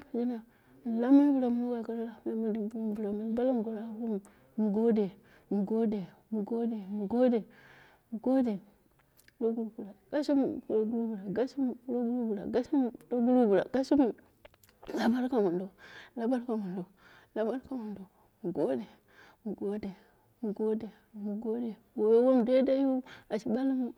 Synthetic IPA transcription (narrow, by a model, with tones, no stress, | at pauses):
ba˨d͡ʒi˦na˨ | m˨la˦mi˦n˦bu˨ɾa˨m˦no˦ɡa˨ka˦ɾla˦˨m˨la˦ma˦n˦di˦m˦bu˦m˦bu˨ɾa˨mu˦ba˦la˦m˨ɡu˨ɾa˦ku˦m | mu˨ɡo˦de˨ | mu˨ɡo˦de˨ | mu˨ɡo˦de˨mu˨ɡo˦de˨ | mu˨ɡo˦de˨ | do˦ɡu˦ɾu˨bu˨la˨ɡ̥a˦ʃi˦m˨ku˨ɾo˦ɡu˦ɾu˦bu˨ɾa˨ɡa˦ʃi˦m˨ku˦ɾo˦ɡu˦u˦bu˨ɾa̰˨ɡa˦ʃi˦m˨do˦ɡu˦ɾu˦bu˨ɾa̰˨ɡ̥a˦ʃi˦m˨ | la˦ba˦ɾka˨mu˨ndo˨la˦ba˦ɾka˨mu˨ndo˨ | la˦ba˦ɾka˦˨mu˨ndo˨ | mu˨ɡo˦de˨ | mu˨ɡo˦de˨ | mu˨ɡo˦de˨ | mu˨ɡo˦de˨wo˨˦wo˦m˨de˦da˦ju˦a˨ʃi˨ba˦li˦m˦